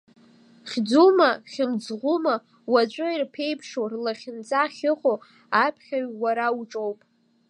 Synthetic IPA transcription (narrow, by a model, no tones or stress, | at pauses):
χʲd͡zumaχʲɪmd͡zʁʷuma | wad͡ʒʷʼɨirpʰe̞jpʰʂorlaχʲɪnt͡sʼaχʲɪqʼo | apʰχʲaɥwaɾauʈ͡ʂʼowpʼ